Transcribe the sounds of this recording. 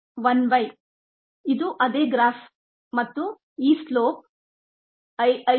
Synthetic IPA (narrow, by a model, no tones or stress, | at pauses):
ʋɐnʋɐj | id̪uʔɐd̪eːɡɾaːf | mɐt̪ːu | iːsloːp̚ | ɐɐ